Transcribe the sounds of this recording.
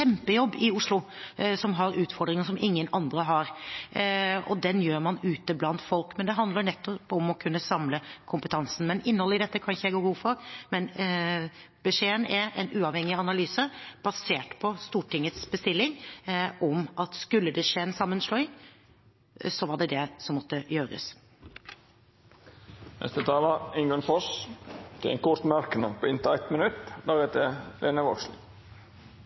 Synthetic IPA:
ɛmpəjɔbːɪʊʂlʊsɔmɦɑɾʉːt̪fɔɖ̪ɾɪŋəsɔmʔɪŋːənɑnd̪ɾəɦɑɾ | ɔ̰d̪ɛnjøːɾmɑnʉːt̪əblɑnt̪fɔlkmɛnd̪ɛɦɑnd̪ləɾɳɛt̪ːɔpɔmɔkʰʉnːəsɑmləkʰʊmpət̪ʰɑnsn̩mɛnɪnːəɔlːəɪd̪ɛt̪ːəkʰɑnçəjɛɪɡoːɡuːfɔɾmɛn | b̥əʂeːənɛɾɛ̰nʉːɑʋhɛŋːɪɑnɑlyːsəb̥ɑseːʈpʰɔst̪uːʈɪŋːət̪sbəst̪ɪlːɪŋʔɔmʔɑt̪skʉlːəd̪ɛʂeːnsɑmːənslɔʏ | sɔʋɑɖɛd̪ɛsɔmːɔt̪ːəjøːɾə̰s | nʔɛ̰st̪ət̪ʰɑːlɑɪŋənfɔʂt̪ʰɪlɛ̰nkʊt̪mæɾkənəpʰoːɪnt̪ɑɛt̪mənʉt̪ːd̪æɾɛt̪əleːnəʋɔksl̩

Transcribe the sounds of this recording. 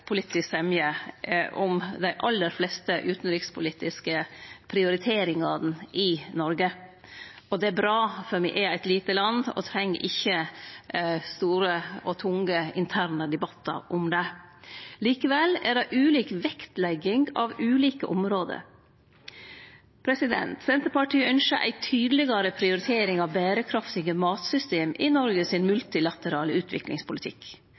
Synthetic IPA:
pʰʊlit̪ɪssɛmjəʔʊmd̪æɪʔɑlːəɾflɛst̪əʔʉːt̪n̩ɾɪkspʰʊliːt̪ɪskəpʰɾɪʊɾɪt̪ʰeːɾɪŋɑd̪n̩ɪnɔɾɡə | ɔd̪ɛæbɾɑːfœɾmɪʔɛæɪt̪liːt̪əlɑnɔ̰t̪ʰɾɛŋːɾʔɪçːə | st̪uːɾəɔt̪ʰʊŋəɪnt̪ʰæːɾnəd̪ɛbɑt̪ːɑ̰ɾʔʊmd̪ɛ | liːkəʋɛlæ̰ɖɛʔʉːliːkʋɛkt̪lɛɡɪŋɡɑ̰ʋʉːliːkəʔɔmɾoːd̪ə̰ɾ | pʰɾɛsɪd̪ɛ̰nt̪sɛnt̪əɾpɑʈʰiːœnʃəʔæ̰ɪt̪ʰyːd̪əlɪɡɑɾəpʰɾɪʊɾɪt̪ʰeːɾɪŋɑʋbæːɾəkʰɾɑft̪ɪɡəmɑːt̪sʏst̪eːmɪ̰nɔɾɡəsɪnmʉlt̪ɪlɑt̪əɾɑːləʉːt̪ʰʋɪ̰klɪ̰ŋspʰʊlɪt̪ʰɪ̰k

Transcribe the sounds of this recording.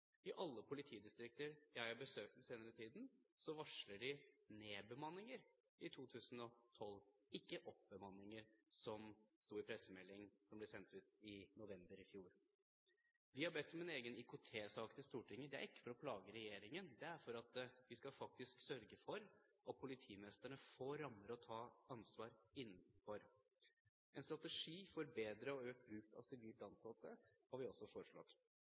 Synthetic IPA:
ɪʔɑlːəpʰʊlɪt̪ʰiːd̪ɪst̪ɾɪk̚t̪əɾjæɪhɑbəsøːk̚t̪n̩seːnəɾət̪ʰiːd̪n̩sɔʋɑʂləɖɪneːbəmɑnːɪŋəɾ | ɪt̪ʰuːt̪ʰʉːsən̩ɔt̪ʰɔlɪkːəʔɔp̚bəmɑnːɪŋəɾsɔmst̪uːɪpʰɾɛsːəmɛlːɪŋsɔmblɛsɛnt̪ʉːt̪ɪnʊʋɛmbəɾɪfjuːɾ | ʋɪhɑɾbɛt̪ːɔmɛneːɡənɪkʊt̪ʰeːsɑːkət̪ɪst̪uːʈʰɪŋːəd̪ɛæ̰ɾɪkːə̥fɾɔpʰlɑːɡəɾɛjeːɾɪŋənd̪ɛæɾfɔɾɑt̪ʋɪskɑfɑk̚t̪ɪsksœɾɡəfɔɾʔɑt̪̚pʰʊlɪt̪ʰiːmɛst̪əɳəfoːɾːɑməɾɔt̪ʰɑːɑnsʋɑːɾɪn̩ːfɔɾ | ɛnst̪ɾɑt̪ɛʂiːfɔɾbeːd̪ɾəɔøːkbɾʉːkt̪ʰɑ̰sɪʋiːlt̪ɑnsɑt̪ːəhɑɾʋɪɔsːɔfɔʂɭɔ̰t̪ː

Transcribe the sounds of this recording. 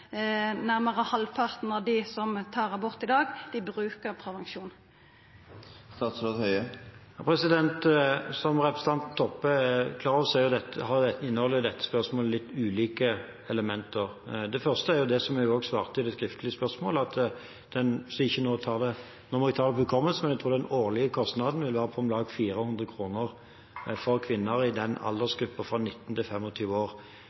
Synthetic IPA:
næʁməʁəhɑlpʰɑʁt̪nɑd̪ɪsɔmt̪ʰɑːʁəbɔʁt̪ɪd̪ɑːɡd̪ɪbɾʉːkəɾpʰɾɛʋɛŋʃuːn | st̪ɑːt̪sɾoːd̪hœʏə | pʰɾɛsɪd̪ɛnt̪sɔmʁɛpɾəsət̪ɑnt̪n̩t̪ʰːɔpːəɛkʰlɑːɾɔʋsæɾjʊd̪ɛt̪ːəhɑʊd̪ɛt̪ːɪnːəhɔlːəd̪ɛt̪ːə̥spœʁsmoːləlɪt̪ːʉːliːkə | ɛləmɛnt̪əʁd̪ɛfœʁst̪əæɾjʊd̪ɛsɔmæjʊoːɡsʋɑːʁt̪ʰɪd̪ɛskɾɪft̪lɪəspœʁsmoːlɑt̪ | d̪̥ɛnsɪçːənoːt̪ʰɑːʁd̪ɛ | nɔmɔʋɪt̪ʰɑːɾd̪ɛʋʉkʰɔmːəlsəmɛnjæɪt̪ʰɾuːɾd̪ɛnoːʁlɪəkʰɔst̪nɑd̪n̩ʋɪlʋæːɾəpʰɔmlɑːɡfiːɾəhʉnd̪ɾəkʰɾuːnəʁ | fɔʁkʰʋɪnːəɾɪd̪ɛnɑ̰ld̪ɛsɡɾʉpːəfʁɑnɪt̪ːn̩t̪ɪlfɛmːɔt̪ʰyːʋəoːʁ

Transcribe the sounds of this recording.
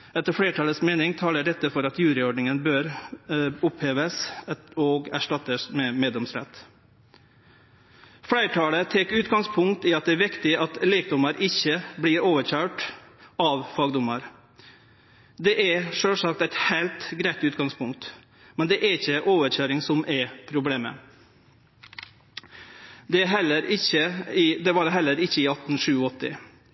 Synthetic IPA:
ɛt̪ːəɾfɽeːʈʰɑːləsmeːnɪŋt̪ʰɑːləɖɛt̪ːəfɔɾɑt̪jʉːɾɪɔɖnɪŋənbøːɾ | ʊpheːʋəsɔɡæʂʈɑt̪ːəsmɛmeːd̪lɛmsɾɛ̰t̪ | fɽæɪʈʰɑːlət̪ʰɛkʉːt̪ɡɑŋspʰʊŋkt̪ɪɑt̪̚d̪ɛːɾʋɪkt̪ɪɑt̪liːkd̪ɔməɾɪçːəbliːɾoːʋəɾçœːʈɑʋfɑːɡd̪ʊməɾ | d̪ɛʔɛɾʂøːʂɑk̚t̪æɪt̪heɪlt̪ɡɾæɪt̪ʉːt̪ɡɑŋspʰʊŋk̚t̪ | mɛnd̪ɛʔɛɾɪçːəʔoːʋəçøːɾɪŋsɔmʔɛɾpʰɾʊbleːmə̰ | d̪ɛɦɛlːəɾɪçəd̪ɛbɑːɾəɦɛlːəɾɪçːəɪɑt̪n̩ʂʉːɔt̪ːɪ̰

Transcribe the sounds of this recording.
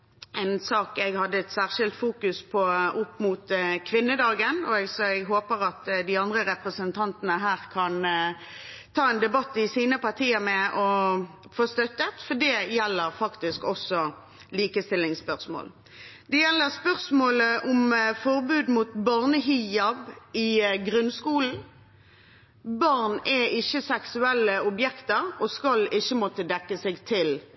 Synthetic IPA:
ʔæɪnsɑːkɛɡhɑd̪ːəɛt̪sæːʁʃɪlt̪fuːkʉspʰɔʊpːmut̪kʰʋɪnːəd̪ɑːɡənɔɛɡsɔɛɡɦoːpəɾɑt̪d̪ɪɑnd̪ʁəɾɛpʁəsənt̪ʰɑnt̪ənəɦæːʁkʰɑn | t̪ʰɑːɛnd̪ɛbɑt̪ːɪsiːnəpɑʁt̪ʰiːəmɛʔɔ | foːst̪œt̪ːət̪fɔd̪ɛjɛlːəʁfɑkt̪ɪskɔsɔ | liːkəst̪ɪlːɪŋspœʁsmo̰ːl | d̪ɛjɛlːəʁspœʁsmoːləʔʊmfɔʁbʉːd̪muːt̪bɑʁnəɦiɑbɪɡʁʉnskuːln̩ | bɑʁnɛɪçːəsɛksʉɛlːəʊbjɛkt̪əʁɔskɑlɪçːəmɔt̪əd̪ɛkːəsɛɡt̪ʰɪl

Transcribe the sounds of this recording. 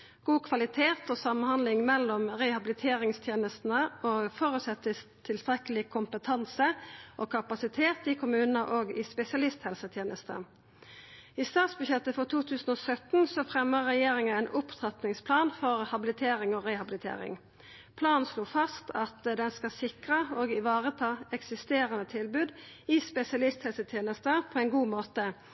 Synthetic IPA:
ɡ̥uːkʰʋɑlɪt̪ʰeːt̪ɔːsɑmənhɑnlɪŋmɛlːɔmʁɛhɑbɪlɪt̪ʰeːɾɪŋst̪ʰjeːnəst̪n̩əʔofɔɾʉːt̪sɛt̪ːət̪ʰɪlst̪ʁɛkəlɪkʰʊmpət̪ʰɑnsəʔokʰɑpɑsɪt̪ʰeːt̪ɪkʰʊmʉːnənəʔoːɡɪspɛsɪɑlɪst̪hɛlsət̪ʰjeːnəst̪ə̰ | iːst̪ɑːt̪sbʉçɛt̪ːəfɔʁt̪ʰuːt̪ʰʉːsn̩oːsœt̪nsɔfʁɛmːəʁːɛjeːʁɪŋəæɪnʔʊpt̪ʰʁɑt̪nɪŋspʰlɑːnfɔʁhɑbɪlɪt̪ʰeːɾɪŋoʁɛhɑbɪlɪt̪ʰḛːʁɪ̰ŋ | pʰlɑːnn̩sloːfɑst̪ʰɑt̪d̪ɛnskɑsɪkʁəoːɡɪʋɑːʁət̪ʰɑːɛksɪst̪eːʁənət̪ʰɪlbʉːd̪ | ɪspɛsɪɑlɪst̪hɛlsət̪ʰjeːnəst̪əpʰɔːɛɪnɡuːmoːt̪ə

